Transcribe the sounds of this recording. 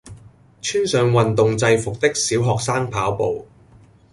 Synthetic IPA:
t͡ʃʰyː˥nsœː˨˧ŋwɐ˨nt̪ʊ˨ŋt͡sɐ˧jfʊ˨k̚t̪ɪ˥k̚siː˨˥wɦɔː˨k̚saː˥ŋpʰaː˨˥wpo̰˨w

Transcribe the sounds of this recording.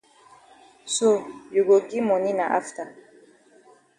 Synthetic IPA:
so˦˨ju˨ɡo˨ki˦mɔ˨ni˦na˨ʔa̰˦ft̪a˨

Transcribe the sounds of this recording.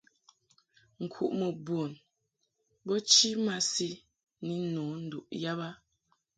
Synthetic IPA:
ŋ̩˨kʰṵ˨ʔmə˨bwo˨n | bɔ˦t͡ʃi˦ma˦si˦ | ni˨nɔ˨˦n̩˨du˨ʔja˦ba˦

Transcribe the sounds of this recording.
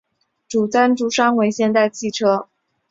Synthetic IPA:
ʈ͡ʂu˨˩t͡sa˥nʈ͡ʂu˧˥ʂa˥ŋwe˧˥ɪɕjɛ˥˧nt̪a˥˧ɪt͡ɕʰi˥˩ʈ͡ʂʰɤ˥

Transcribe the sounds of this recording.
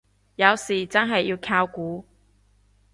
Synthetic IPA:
jɐ˨˧wsiː˨˩t͡sɐ˥nɦɐ˨jːi˧wkʰaː˧wkuː˨˥

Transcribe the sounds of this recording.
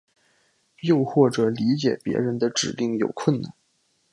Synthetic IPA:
jo˥˧ʊxwɔ˥˩ʈ͡ʂɤ˨˩li˧˥t͡ɕjɛ˨˩pjɛ̰˧˥ɻə˧˥nd̪ə˧ʈ͡ʂɻ̩˨˩li˥˩ŋjo˨˩ʊkʰwə˥˧nna̰˥˩n

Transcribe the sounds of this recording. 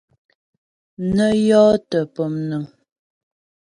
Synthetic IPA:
nə˦jɔː˦tə˨pə˨mnə˨ŋ

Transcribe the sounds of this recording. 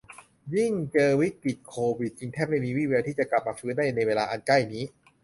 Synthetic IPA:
ji˥˩ŋt͡ɕɤː˧wi˦˥kɾi˨˩t̪̚kʰoː˧wi˨˩t̪̚t͡ɕi˧ŋt̪ʰɛː˥˩p̚ma˥˩jmiː˧wiː˥˩weː˧wt̪ʰiː˥˩t͡ɕa˨˩kla˨˩p̚maː˧fʰɯː˦˥da˥˩jna˧jweː˧laː˧ʔa˧nka˥˩jniː˦˥

